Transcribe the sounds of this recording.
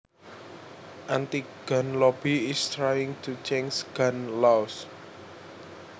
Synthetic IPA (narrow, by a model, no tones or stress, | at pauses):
ʔant̪iɡ̥anlɔbiɪst̪ɾajɪŋt̪ut͡ʃɛŋsɡ̥anlas